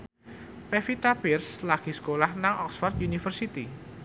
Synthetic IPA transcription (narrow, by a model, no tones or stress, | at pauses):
pɛfit̪apirslaɡ̥i̤skolahnaŋʔɔksfɔrt̪junifərsit̪i